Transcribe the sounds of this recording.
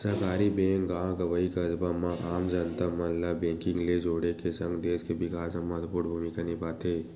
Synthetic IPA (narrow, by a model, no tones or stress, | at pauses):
sɐkaːɾibẽːŋɡãːɡɐʋəikɐd͡ʒbamãʔaːmd͡ʒɐnt̪amɐnlabẽːŋkɪ̃ŋɡled͡ʒoːɽekesɐ̃ŋɡd̪eːskebɪkaːd͡ʒɐmɐt̪puʈbʱuːmikanipaːt̪eː